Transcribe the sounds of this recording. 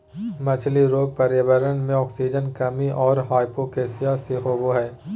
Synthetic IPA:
mɐt͡ʃʰliɾoːɡ̚pɐɾjəʋəɾənmẽɔːksiːd͡ʒənkɐmiʔɔːɾɦaːɪpokeːsijaseɦoːboɦɛː

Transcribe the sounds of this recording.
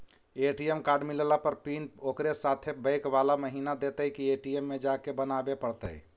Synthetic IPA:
eʈiemkaɾɖmillapəɾpinokɾesat̪ʰebəɪkbalaməɦinad̪et̪əjkieʈiemːed͡ʒakebənabepəɽt̪ə̰

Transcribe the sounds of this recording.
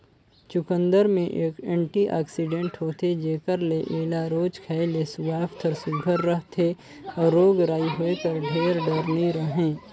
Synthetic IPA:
t͡ʃʊkə̃nd̪əɾmẽʔekɛ̃ːɳʈiʔa̰ːksiɖẽːɳʈɦoːt̪ʰed͡ʒeːkəɾleʔeːlaɾoːd͡ʒkʰɛːɪlesʊɡaːft̪ʰəɾsʊɡʱəɾːəɦt̪ʰe | ɔːɾːoːɡɾaːiɦoekəɾɖʱeːɾɖəɾniɾəɦẽː

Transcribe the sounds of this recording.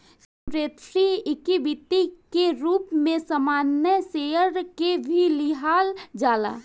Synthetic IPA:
s | uɾeːt̪ɾiɪkibit̪ikeɾuːpmẽsəmaːnːjəseːəɾkebʱilɪɦaːld͡ʒaːla̰ː

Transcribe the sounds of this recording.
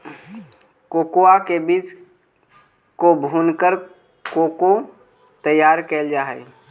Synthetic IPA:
koːkoakebid͡ʒ | kobʱuːnkəɾ | koːko | t̪əjaːɾkeːld͡ʒaːɦɛ̰

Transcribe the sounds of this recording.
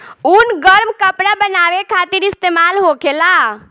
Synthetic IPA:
unɡəɾmkəpɽabənaːʋekʰaːt̪iɾɪst̪emaːlɦokʰela

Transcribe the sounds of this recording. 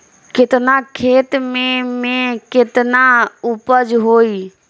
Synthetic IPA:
kɪt̪nakʰeːt̪mẽmẽkɪt̪naʊpəd͡ʒɦoːi

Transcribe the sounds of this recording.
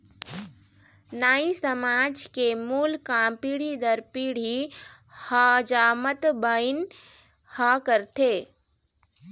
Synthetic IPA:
naːisəmad͡ʒkemulkapiɽ̤id̪əɾpiɽ̤i | həd͡ʒamət̪bəjn | həkəɾt̪ʰe

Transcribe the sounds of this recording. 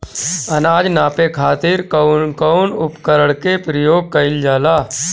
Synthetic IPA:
ɐnaːd͡ʒnaːpekʰaːt̪ɪɾkəʊnʊpkəɾəɽkepɾəjoːɡ̚kɐɪld͡ʒaːlaː

